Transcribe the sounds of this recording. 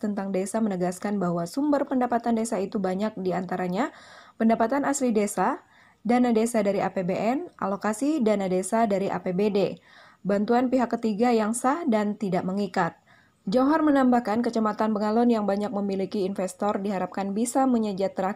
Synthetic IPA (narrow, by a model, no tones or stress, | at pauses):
t̪ənt̪aŋdesamənəɡaskanbahwasumbərpəndapat̪andesait̪ubaɲak̚diant̪aɾaɲapəndapat̪anaslidesa | danadesadaɾiʔa̰pebeʔɛnʔa̰lokasidanadesadaɾiʔa̰pebede | bant̪uanpiɦakːət̪iɡajaŋsahdant̪idaʔməŋikat̪̚ | d͡ʒaɦarmənambahkankət͡ʃəmat̪anpəŋalɔnjaŋbaɲak̚məmilikiːnfɛst̪ɔrdiɦaɾap̚kanbisaməɲəd͡ʒat̪ːəɾa